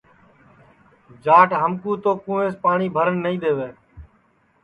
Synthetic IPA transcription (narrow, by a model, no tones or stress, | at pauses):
d͡ʒaːʈɦəmkuːt̪oːkũːẽːspaːɳiːbʱəɾəɳːəĩːd̪eːʋeː